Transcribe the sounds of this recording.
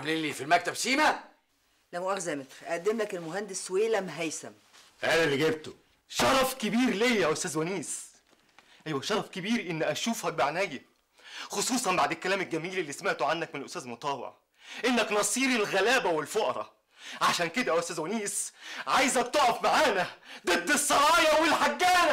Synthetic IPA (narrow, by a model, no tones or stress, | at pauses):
mlilːifilmæk̚t̪æbʃiːmæ | læmoʔæɣzæmet̪ɾʔæʔæd̪ːemlækelmoɦænd̪esweːlæmɦæjsæm | æːlælːiɡeb̚t̪o | ʃɑɾˤɑfkebiːɾlejjæʔost̪æːzwæniːs | ʔæjwæʃɑɾˤfkebiːɾʔenːʔæʃuːfhæk̚baʕnæjæ | xosˤuːsˤɑnbaʕd̪elkːælæːmelɡæmiːlelːismeʕt̪oʕanːækmenelʔost̪æːzmot̪ˤɑːwḛʕ | ʔenːæknɑsˤiːɾilɣælæːbæwelfoʔɑɾˤɑ̰ | ʕaʃæːnked̪æʔʔost̪æːzwæniːsʕajzækt̪oʕæfmaʕaːnæd̪et̪ːesˤːɑɾɑːjɑwelħaɡːæːnæ